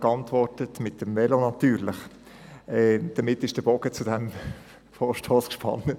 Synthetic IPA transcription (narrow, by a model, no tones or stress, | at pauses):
kɑntʋɔrtətmɪt̚d̥ɛmvɛlonɑtyːɾlɪχ | ɛːd̥əmɪtːɪʃd̥əb̥ɔɡət͡sudɛm | foːʃtʰoːskʃpʰɑ̰nːə